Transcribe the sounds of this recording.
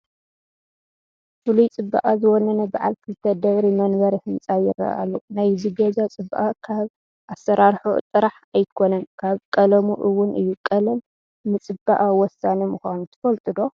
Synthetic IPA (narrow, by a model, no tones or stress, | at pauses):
fɨlujt͡sʼɨbːa̰ʔazɨwɔnɐnɐbaʕalkʰɨlt̪ʰɐd̪ɐɣɾimɐnβɐɾihɨnt͡sʼajɪ̰rɐ̰a̰lːunajzɨɡɐd͡ʒat͡sʼɨbːaʔakʰaβ | ʔasɐɾʔaɾħṵt̪ʼɨɾaħ | ajkʰo̞nɐnkʰaβkʼɐlɐmuʔɨwʊnɨjːukʼɐlɐn | nɨt͡sʼɨbːa̰ʔawɔsːanemuxʷanut̪ʰɨ̥fɐlt̪ʼɨd̪o̞